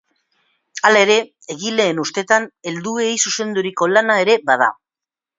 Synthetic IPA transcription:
alae̞ɾe̞ | eɣile̞ːnust̪e̞t̪ane̞ld̪uejsuse̞nd̪uɾiko̞lanae̞ɾe̞baða̰

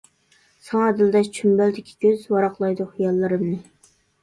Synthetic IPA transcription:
sɑŋɛd̪ɪld̪ɛt͡ʃʰymbæld̪ɪkʲʰi̥kʲʰøzwɑɾɑqlˠɑjd̪ʊχijɑlˠːɨɾɨmnɨ

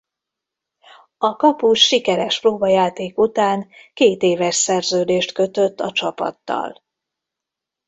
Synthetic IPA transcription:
ɒkɒpuʃʃikɛɾɛʃproːbɒjaːt̪eːkut̪aːŋkeːt̪eːvɛʃsɛrzøːd̪eːʃt̪kø̞t̪øt̪ːɒt͡ʃɒpɒ̰t̪ːɒ̰l

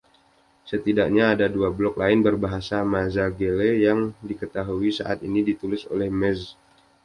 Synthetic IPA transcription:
sət̪idak̚ɲaːdaduablɔk̚laɪnbərbaɦasamazaɡelejaŋdikət̪aɦuisa̰ʔat̪inidit̪ulɪso̰lɛhmɛz

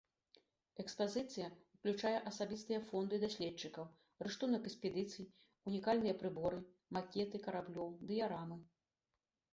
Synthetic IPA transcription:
ɛkspazɨt̪sɨjɐwklʲut͡ʂajɛʔɐsabʲist̪ɨjɐfɔnd̪ɨd̪asʲlʲɛt͡ʂːɨkɐw | rɨʂt̪unɐkɛksʲpʲɛd̪ɨt̪sɨj | unʲikalʲnɨjɐpɾɨbɔɾɨ | makʲɛt̪ɨkɐɾablʲɔwd̪ɨjaɾamɨ

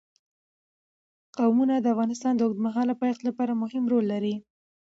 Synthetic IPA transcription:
qawmunad̪əafɣɑnɪst̪ɑnd̪əʊɡd̪maɦɑlapɑjɑxt̪lapɑɾamʊhɪmɾolːaɾi

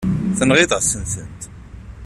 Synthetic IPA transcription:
θənʁɪðəʁsənθənt̪

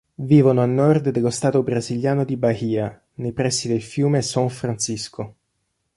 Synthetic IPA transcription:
viːvonoalnːɔrd̪d̪elost̪aːt̪obɾaziljaːnod̪ibahiːa | nejpɾɛsːid̪elfjuːmesaɱfɾansiskʰo

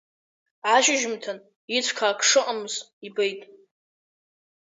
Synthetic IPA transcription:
ʕaʃɪʒɪmtʰan | it͡sʷʰkʰaːkʰʂɨqʼamɨz | ibejtʼ

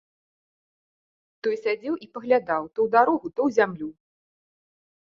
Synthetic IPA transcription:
t̪ɔjsʲad͡zʲɛwʔipɐɣlʲad̪awt̪ɔwd̪aɾɔɣut̪ɔwzʲamlʲu

